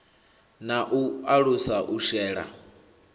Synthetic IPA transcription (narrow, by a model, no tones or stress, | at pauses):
naʔuaɺusaʔuʃɛːɺa̰